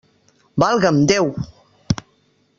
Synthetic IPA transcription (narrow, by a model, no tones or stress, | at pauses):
balɡamdew